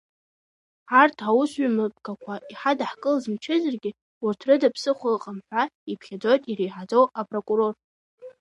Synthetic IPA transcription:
artʰawʊsɥimɨpʰʼkʰakʷʰaʔiħadaħkʼɨlzmt͡ʃʰɪzarɡʲɪ | ʊrtʰrɨdapʰsɨχʷʊlqʼamħʷᶣaipʰχʲad͡zo̞jtʼirejħad͡zo̞wapʼrokʼuɾo̞r

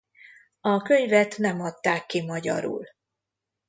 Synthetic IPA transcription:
ɒkø̞ɲvɛt̪nɛmɒt̪ːaːkːimɒɟɒ̰ɾṵl

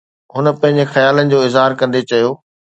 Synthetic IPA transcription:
ɦʊnə̆pɐ̃ɦɪ̃ɲ̆d͡ʑexɐjaːlənɪ̆d͡ʑoːɪzɦaːɾkɐ̃nd̪et͡ɕɐjoː

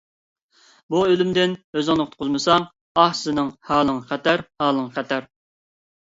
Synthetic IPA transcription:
buølymd̪ɪnøzɨŋnɨqʰt̪̚qʰʊzmɨsɑŋ | ɑhsɨnɨŋhɑːlˠɨŋχæt̪æɾhɑːlˠəŋχæt̪ʰæɾ

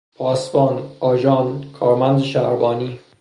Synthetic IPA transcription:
pʰɒːsbɒːnɒːd͡ʒɒːnkʰɒːɾmænd̪eʃæ̰ɾbɒːniː

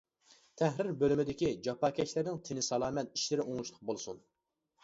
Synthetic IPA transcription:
t̪ʰɛhɾɪɾbølymɪd̪ɪkʲid͡ʒɑpɑːkʲɛt͡ʃlɪɾnɪŋt̪ʰɪnɪsɑlˠɑːmɛt̪̚i̥ʃlɪɾɪoŋuʃlˠəq̚bolˠsun

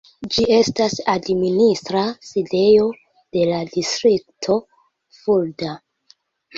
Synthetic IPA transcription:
d͡ʒie̞stasadministɾaside̞jo̞ | d̥e̞ladistɾik̚tʰo̞ | fulda

